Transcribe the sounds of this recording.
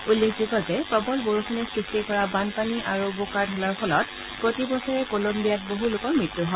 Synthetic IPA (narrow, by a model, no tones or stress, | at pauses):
ulːekʰzuɡɔtɛpɹɔbɔlboɹuxʰɔnɛsɹistikɔɹabanpaniʔaɹubokaɹdʱɔlaɹpʰɔlɔt | pɹotibɔsɔɹɛkolombijat̚boɦulʊkɔmɹitːuɦɔ